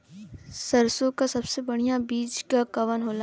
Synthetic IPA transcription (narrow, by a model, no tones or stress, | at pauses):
sɐɾsõkasɐbsebɐɽ̤ijabiːd͡ʒkakɐʋənɦoːla